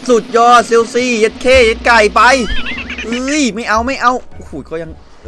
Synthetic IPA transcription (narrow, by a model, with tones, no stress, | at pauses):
su˨˩t̪̚jɔː˧˩si˧wsiː˧˩je˦˥t̪̚kʰeː˧˥˨je˦˥t̪̚ka˧˩jpa˧j | ɯ˧˥˩ma˥˩jʔa˧wma˥˩jʔa˧wʔu˧huː˧˩kɔː˧˩ja˧ŋ˧